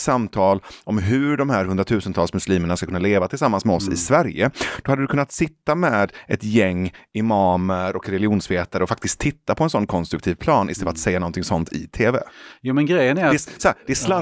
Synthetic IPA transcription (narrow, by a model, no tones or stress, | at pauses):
samt̪ʰɑːlɔmɦɵɖɔmhæːɾɦɵnd̪ɾat̪ʰʉ̟ːsənt̪ʰɑːlsmɵsliːməɳaskakʰɵnːaleːvat̪ʰɪlsamːansmɛɔsɪ̰svæɾjə̰d̪̥ɔhad̪ːəd̪ɵkʰɵnːat̪sɪt̪ːamɛːd̪ʔɛ̰t̪jɛŋːɪmɑːməɾɔkɾɛlɪuːnsveːt̪aɾəɔfak̚t̪ɪsk̚t̪ʰːɪt̪ːapʰɔɛnsɔnːkʰɔnst̪ɾɵkt̪ʰiːvpʰlɑːnʔɪst̪ɛlːat̪sɛjːanɔnt̪ʰɪŋsɔnt̪ʰɪ̰t̪ʰeːvɛ̰juːmɛnɡɾɛjːənæɾɛsɔd̪ɛsla